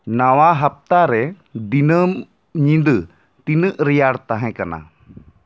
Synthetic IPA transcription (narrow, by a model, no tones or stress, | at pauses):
nawaɦap̚t̪aɾɛ | d̪inəm | ɲĩd̪ | t̪inəʔɾɛjaɽt̪aɦɛ̃kana̰